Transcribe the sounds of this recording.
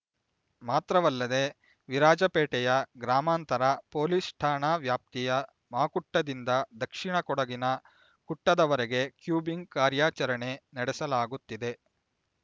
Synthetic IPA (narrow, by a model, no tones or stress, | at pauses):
maːt̪ɾɐʋɐlːɐd̪e | ʋiɾaːd͡ʒɐpeːʈɛjɐɡɾaːmaːnt̪ɐɾɐpo̞ːlisʈʰaːɳaːʋjaːp̚t̪ijɐ | maːkuʈːɐd̪ind̪ɐd̪ɐkʂiɳɐkɔɽɐɡinɐ | kuʈːɐd̪ɐʋɐɾeɡe̞kjuːbiŋɡ̚kaːɾjaːt͡ʃɐɾɐɳe̞nɐɽɛsɐlaːɡut̪ːid̪e̞